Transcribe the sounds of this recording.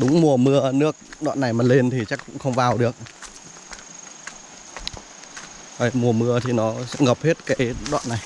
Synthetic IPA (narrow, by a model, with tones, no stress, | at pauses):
ɗʊ˨˦ŋ͡mmu˨˩əmɨ˧ənɨ˦˥ək̚ɗɔ̰ː˧˨nːa˨˩jmaː˨˩le˧nt̪ʰi˨˩t͡ɕa˦˥kkʊ̰˧˥ŋ͡mxə˧wŋ͡mvaː˨˩wɗɨ˨˩ək̚ | a˨˩mu˧˩əmɨ˧ət̪ʰi˨˩nɔ˨˦sɛ̰˧˥ŋə˨˩p̚he˦˥t̚kaː˨˦jɗwa̰ː˧˨nːa˨˩j